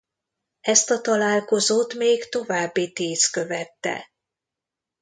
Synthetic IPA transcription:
ɛst̪ɒt̪ɒlaːlko̞zoːt̪meːɡt̪o̞vaːbːit̪iːskø̞vɛt̪ːɛ̰

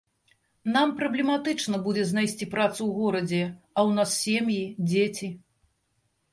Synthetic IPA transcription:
nampɾɐblʲɛmat̪ɨt͡ʂnɐbud͡zʲɛzʲnajsʲt͡sʲipɾat̪suwɣɔɾɐd͡zʲɛ | ɐwn̪assʲemjid͡zʲet͡sʲi

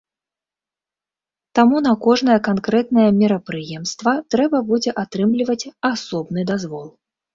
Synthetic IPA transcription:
t̪amunɐkɔʐnɐjɐkankɾɛt̪̚nɐjɐmʲiɾɐpɾɨjɛmst̪vɐt̪ɾɛbɐbud͡zʲɛʔat̪ɾɨmlʲivɐt͡sʲasɔbnɨd̪azvɔlˠ

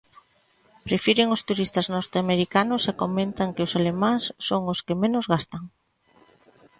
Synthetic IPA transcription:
pɾefiɾɪŋʊst̪uɾist̪ɐznɔɾt̪eameɾikanʊsekomẽnt̪aŋkɪʊsalemãŋsːoŋʊskɪmenʊzɣast̪ɐŋ

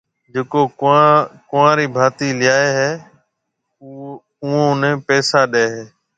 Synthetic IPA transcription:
d͡ʒeːkõː | kʊʋãːɾiːbʱaːt̪iːlɪjaːeːɦeː | ʊːõːʊnẽːpɛːsaːɗeːɦeː

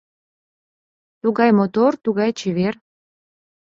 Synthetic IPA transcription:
t̪uɣɑjmot̪ort̪uɣɑjt͡ɕiβer

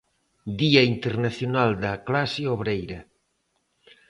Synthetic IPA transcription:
d̪iaint̪eɾnaθjonald̪aklasjoβɾejɾɐ

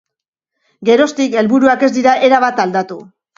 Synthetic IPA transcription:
ɡe̞ɾo̞st̪ike̞lβuɾuake̞zd̪iɾaʔe̞ɾaβ̞at̪ald̪at̪u

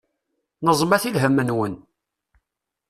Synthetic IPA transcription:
nəzˤmæθilɦəmːənwən

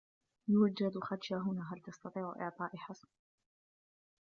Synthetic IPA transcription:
jʊd͡ʒad̪xad̪ʃaːɦʊnaːɦalt̪ɑst̪ɑt̪ˤiːʕʔɪ̰ʕt̪ˤɑːʔɪħɑsn

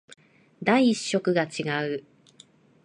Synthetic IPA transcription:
d̪aiːɕːo̞kɯ̟ɡat͡ɕiɡaɯ̟

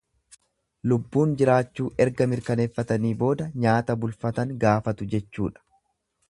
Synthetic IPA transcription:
lʊbːuːnd͡ʒɪɾaːt͡ʃːuːʔɛɾɡɐmɪɾkɐneːfːɐt̪ɐniːbo̞ːd̪ɐɲaːt̪ɐbʊlfɐt̪ɐŋɡaːfɐt̪ʊd͡ʒɛt͡ʃːuːᶑɐ̥

